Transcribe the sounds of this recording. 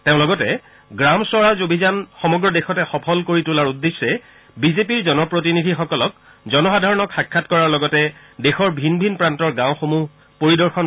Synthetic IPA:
teʊ̃lɔɡɔtɛ | ɡɹamswɔɹazobʱizanxɔmɔɡɹɔdexɔtɛxɔpʰɔlkoɹitulaɹudːesːɛ | bizepiɹzɔnɔpɹotinidʱixɔkɔlɔk̚ | zɔnɔxadʱaɹɔnɔkxakʰːatkɔɹaɹlɔɡɔtɛ | dexɔɹbʱinbʱinpɹantɔɹɡãʊ̃xomu | poɹidɔɹxʰɔn

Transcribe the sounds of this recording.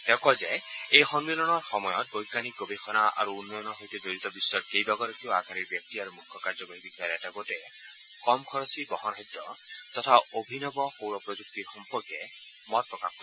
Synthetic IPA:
tɛkɔzɛ | ejxɔnmilɔnɔɹxɔmɔjɔt̚ɡojkanikobexɔnaa̰ɹuːnːɔjɔnɔɦojtɛd͡ʒoɾit̪ɔbisːɔɹkejbaɡɔɾɔkioaɡʱaɾiɹbjak̚tiaɾumukʰːɔkaɹzɔboɾibiɡʰʱaaɾɛtaɡotɛ | kɔmkʰɔɹɔsibɔɦɔnɦɔdːɔ | tɔtʰaobʱinɔbɔxowɾɔpɹozuk̚tiɹxɔmpɔɹkɛ | mɔt̚pɹɔkap̚ko

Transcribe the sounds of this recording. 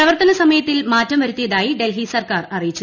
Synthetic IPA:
rɐʋɐrt̪ɐnɐsɐmɐjɐt̪ːilmaːtːɐmʋɐɾut̪ːijɐðaːjiɖe̞lɦisɐrkaːrɐrijit͡ɕːu

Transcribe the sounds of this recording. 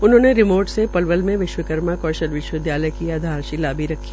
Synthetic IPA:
ʊnɦõːneɾɪmoːɾʈsepɐlʋəlmẽʋɪʃwəkəɾmakɔːʃəlʋɪʃwəɪd̪jaːləjkiaːd̪ʱaːɾʃilaːbiɾɐkʰːi

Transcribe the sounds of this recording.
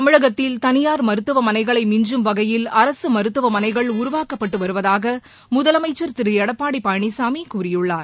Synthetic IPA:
ɐmɪɻɐɣɐt̪ːɪlt̪ɐnɪjaːɾmɐɾɯt̪ːɯʋɐmɐnɐɪɣɐɭɐɪmɪɲd͡ʒɯmʋɐɣɐjɪlɐɾɐsɯmɐɾɯt̪ːɯʋɐmɐnɐɪɣɐɭʊɾʊʋaːkɐpːɐʈːɯʋɐɾɯʋɐðaːɣɐ | mʊðɐlɐmɐɪt͡ʃːɐɾt̪ɪɾɯjɐɽɐpːaːɽipaːjɐɳisaːmikuːrɪjɯɭːaːɾ

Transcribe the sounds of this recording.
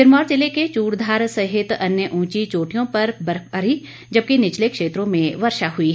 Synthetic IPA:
ɪɾmɔːɾt͡ʃɪleket͡ʃuːʈd̪ʱaːɾsɐɦɪt̪ɐnjəʔũːt͡ʃit͡ʃoːʈijõpɐɾbɐɾəɾi | d͡ʒɐb̚kenɪt͡ʃlekʃeːt̪ɾõmẽʋɐɾʃaɦʊi

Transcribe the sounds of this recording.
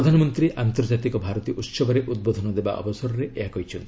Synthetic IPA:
ɾɔd̪ʱanɔmɔnt̪ɾiʔant̪ɔɾd͡ʒat̪ikɔbʱaɾɔt̪iʔut̪sɔbɔɾeʔud̪̚bod̪ʱɔnɔd̪eba̰ʔɔ̰bɔsɔɾɔɾeʔeɦakɔɦit͡ʃʰɔnt̪ii

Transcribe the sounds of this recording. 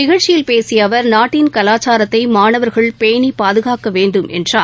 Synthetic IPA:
nɪɣɐɻt͡ʃɪjɪlpeːsɪjɐʋɐɾnaːʈːinkɐlaːt͡ʃːaːɾɐt̪ːɐɪmaːnɐʋɐɾɣɐɭpeːnipaːðɯɣaːkɐʋeːɳɖɯmʔɛ̰ndraː

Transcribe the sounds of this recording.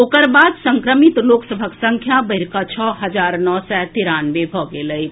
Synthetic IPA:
okəɾbad̪səŋkɾəmit̪loksəbʱəksəŋkʰjabəiɾkat͡ʃʰɔɦəd͡ʒaɾnɔsɛt̪iɾanʋebʱɔɡeləj

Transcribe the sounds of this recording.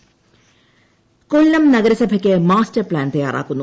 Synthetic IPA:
koɭːɐmnɐɣɐɾɐsɐbʱɐkʲːɨmaːstɐrpɭaːnt̪ɐjːa̰ːrʔa̰ːkːunːu

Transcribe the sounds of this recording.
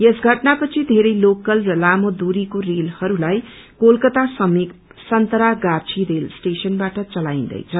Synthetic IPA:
jesɡʱʌʈnapʌt͡sʰid̪ʱeɾʌjlokʌlrʌlamod̪uɾikorelhʌɾulaj | kolkʌt̪asʌmi | sʌnt̪ʌɾaɡat͡sʰiɾelsʈesʌnbaʈʌt͡sʌlaĩnd̪ʌ̰jt͡sʰʌ

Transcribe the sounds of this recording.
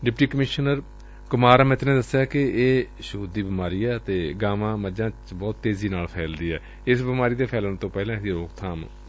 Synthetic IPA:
ɖɪpʈiːkəmɪʃnəɾ | kʊmaːɾəmɛ̃ɪt̪nẽːd̪əsːjaːkɪeː | ʃuːd̪ːiːbɪmaːɾiːɛːət̪eːɡaːʋãːməd͡ʒãːt͡ʃbɔːt̪ːeːziːnaːlpʰɛːld̪iːɛː | ɪsbɪmaːɾiːd̪eːpʰɛːlənt̪õːpɛːlãːsiːɾoːkt̪ʰaːm

